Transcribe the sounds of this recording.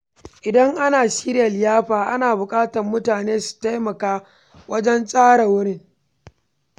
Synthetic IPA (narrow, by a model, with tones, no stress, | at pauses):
ʔɪ˨dɐ˦ŋʔa˦naː˨ʃi˦ɾjɐ˨ljaː˦ɸaː˨ʔa˦naː˨bʊ˨kʼaː˦tɐ˨rmʊ˦taː˨neː˦su̥˨ta˦jmɐ˨kaː˦ | wɐ˦d͡ʒɛ˦nsʼaː˦ɽa˨wʊ˦ɽɪ˦ŋ